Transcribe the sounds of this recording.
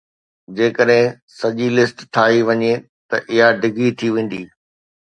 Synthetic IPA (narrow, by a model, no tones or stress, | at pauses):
d͡ʑeːkəɗɦɪ̃ | sɐʄilɪsʈt̪ʰaːɦiʋɐɲe | t̪ɐʔɪɦaɖɪɡit̪ʰiʋẽːn̆d̪iː